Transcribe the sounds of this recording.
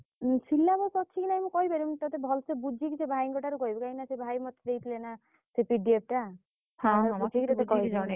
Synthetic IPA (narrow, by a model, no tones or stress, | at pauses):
sʰilːamũsɔt͡ʃʰikinaɦĩmũkɔɦibaɾit̪ɔt̪ebʱɔlsebud͡ʒʱikisebʱajŋɡɔʈaɾukɔɦibɔkaɦinasebʱajmɔt̪ʰːɾejt̪ʰilena | sepiɖiep̚ʈa | hãput͡ʃʰikit̪ɔt̪ekɔɦia